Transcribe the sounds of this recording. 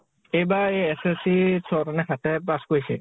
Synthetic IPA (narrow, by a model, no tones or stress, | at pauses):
ejbaejesesisʰɔɾɔnɛxʰat̪ɛpaskojsɛ̰